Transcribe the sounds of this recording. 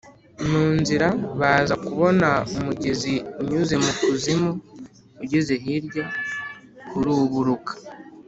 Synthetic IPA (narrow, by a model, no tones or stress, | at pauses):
nuːnziɾaβaːzakuβo̞naumuɟeziuɲuze̞mukuzimu | uɟezeɦiɾɟo | kuɾuːβuɾukḁ